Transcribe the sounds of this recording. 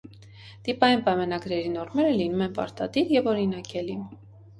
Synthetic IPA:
t̪ipɑjinpɑjmɑnɑɡɾɛɾinɔɾmɛɾəlinumɛnpɑ̰ɾt̪ɑ̰d̪iɾjɛvɔɾinɑkɛlin

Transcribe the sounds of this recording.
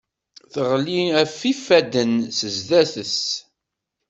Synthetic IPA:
θəʁliæfifːæd̪ənsəzðæθəs

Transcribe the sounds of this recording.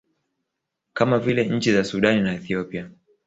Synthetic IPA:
kamavilɛɲ̩t͡ʃizasuɗaninaɛθiɔpia

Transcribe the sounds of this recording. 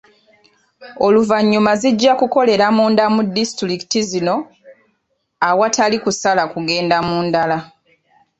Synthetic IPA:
o̞luvaɲːumaziɟːakuko̞le̞ɾamuːndamudːistɾiki̥tizino̞ | awatalikusalakuɡe̞ːndamuːndala

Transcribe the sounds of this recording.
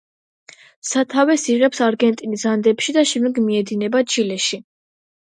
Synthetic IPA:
sat̪ʰavɛsiʁɛpsaɾɡɛnt̪ʼinizand̪ɛpʃid̪aʃɛmd̪ɛɡmiɛd̪inɛbat͡ʃʰilɛʃi

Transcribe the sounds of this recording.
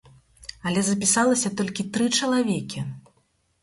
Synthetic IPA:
ɐlʲɛzɐp̬ʲisalˠɐsʲɐt̪ɔlʲkʲit̪ɾɨt͡ʂɐlˠavʲɛkʲi

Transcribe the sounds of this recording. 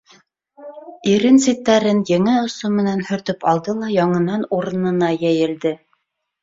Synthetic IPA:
iɾɘnsit̪ːæɾɘnjɘ̆ŋɘŏsummɘ̆nænhɵ̆ɾt̪ɵpɑlˠd̪ɤlˠɑjɑɴɤ̆nɑnuɾɤ̆nɤ̆nɑjæjɘ̆ld̪ɘ

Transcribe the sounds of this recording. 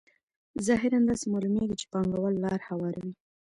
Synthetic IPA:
zɑɦɪɾand̪ɑsemɑlumeɡit͡ʃe̥pɑŋɡawəlːɑɾhawɑɾawi

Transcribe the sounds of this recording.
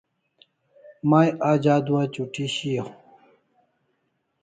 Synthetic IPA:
maːjʔaːd͡ʑaːd̪uwat͡ɕuʈʰiɕijo

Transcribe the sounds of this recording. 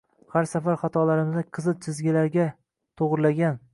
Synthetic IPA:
haɾsafaɾχɑt̪ʰɒlaɾɪmzɪqʰɨzɨt̪̚t͡ʃʰɪzɡʲɪlaɾɡʲa | t̪ʰoʁɾlaɡʲan

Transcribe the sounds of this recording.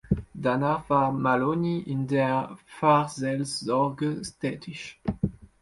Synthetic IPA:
danaʁvamaloniindɛʁfaʁzɛlszɔʁɡəstɛtʰiʃ

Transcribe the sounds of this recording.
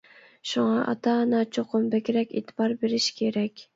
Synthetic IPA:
ʃʊŋɑʔɑ̰t̪ʰɑnɑt͡ʃʰoqʰʊmbækʲɾækʲḛt̪ʰɪ̥bɑɾbeɾɪʃkʲʰeɾækʲ

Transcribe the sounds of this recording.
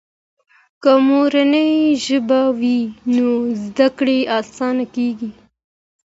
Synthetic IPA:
kəmoɾanəjʒəbawinozd̪akɽeɑːsɑnakeɡi

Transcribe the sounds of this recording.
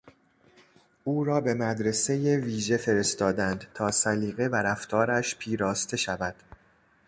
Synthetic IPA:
ʔuːɾɒːbe̞mæd̪ɾe̞se̞jeviːʒe̞fe̞ɾe̞st̪ɒːd̪ænd̪t̪ʰɒːsæliːɣe̞væɾæft̪ʰɒːɾæʃpʰiːɾɒːst̪ʰe̞ʃævæd̪̥

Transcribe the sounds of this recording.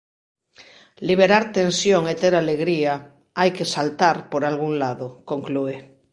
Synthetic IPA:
liβ̞eɾaɾt̪ẽnsjoŋet̪eɾaleɣɾia | ajkesalt̪aɾpoɾalɣuŋlaðokoŋklue

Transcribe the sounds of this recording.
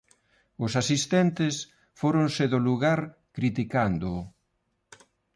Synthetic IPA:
ʊsasist̪ɛnt̪ɪs | foɾonseðʊluɣaɾ | kɾit̪ikand̪ʊ

